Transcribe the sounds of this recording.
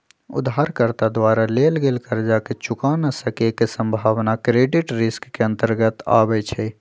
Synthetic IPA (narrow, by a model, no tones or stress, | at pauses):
ʊ̰d̪ɦaɾkəɾt̪ad̪waɾalelɡelkəɾd͡ʒaket͡ʃʊkanasəkekesə̃mbʱaʋnakɾeɖɪʈɾɪskːeə̃nt̪əɾɡət̪a̰bɛt͡ʃʰɛ